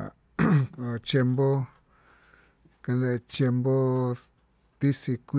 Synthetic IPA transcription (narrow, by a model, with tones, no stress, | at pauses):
a˨ | o˨t͡ʃje˧mbo˦ | ka˧nẽ˧t͡ʃje˧mbo˦ | t̪i˦si˧kʷ